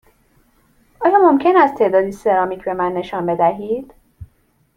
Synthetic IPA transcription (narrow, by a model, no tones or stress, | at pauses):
ʔɒːjɒːmo̞mcʰe̞næst̪ʰe̞ːd̪ɒːd̪iːse̞ɾɒːmiːcʰbe̞mænːe̞ʃɒːnbe̞d̪æɦiːd̪̥